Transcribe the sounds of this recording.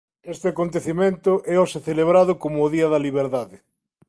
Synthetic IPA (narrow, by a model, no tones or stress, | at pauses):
est̪ɪakont̪eθimẽnt̪ʊʔɛɔsɪθeleβɾaðʊkomʊːðiɐðɐliβ̞eɾðaðɪ